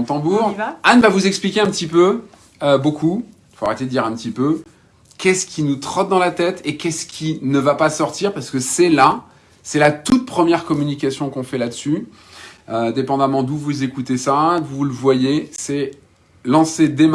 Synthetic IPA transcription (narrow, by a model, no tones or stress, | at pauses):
t̪ɑ̃buʁanvavuzɛksplikʲeɛ̃pət̪ipø | øboku | foaʁet̪ed̪əd̪iʁɛ̃pət̪ipø | kʲɛskʲinut̪χɔt̪̚d̪ɑ̃lat̪ɛt̪ekʲɛskʲʰinəvapasɔʁt̪iʁpaʁsə̥kəsɛla | sɛlat̪ut̪̚pχəmjɛʁkɔmynik̬ʲasjɔ̃kɔ̃fɛlad̪əsy | ø̃d̪epɑ̃d̪amɑ̃d̪uvuzekut̪esad̪uvuləvwajesɛ | lɑ̃sed̪em